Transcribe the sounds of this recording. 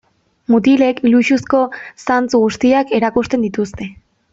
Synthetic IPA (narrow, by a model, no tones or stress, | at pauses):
mut̪̬ile̞kiluʃusko̞sant͡suɣust̪iake̞ɾakust̪e̞nd̪it̪ust̪e̞